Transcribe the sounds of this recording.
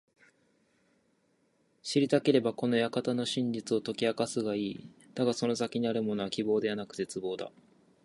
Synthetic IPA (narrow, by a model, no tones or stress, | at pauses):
ɕiɾʲit̪ake̞ɾe̞bako̞no̞jakat̪ano̞ɕĩɲd͡ʑit͡sɨo̞t̪o̞kʲiakasɨɡaiːd̪̥aɡaso̞no̞sakʲiɲ̟iaɾɯ̟mo̞noakʲibo̞ːd̪e̞βanakɯ̟̥t̪e̞t͡sɨbo̞ːd̪a̰